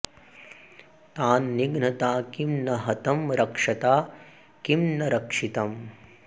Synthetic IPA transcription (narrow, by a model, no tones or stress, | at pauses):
t̪aːnːiɡnɐt̪aːkimnɐɦɐt̪ɐmɾɐkʂɐt̪aː | kimnɐɾɐkʂit̪ɐm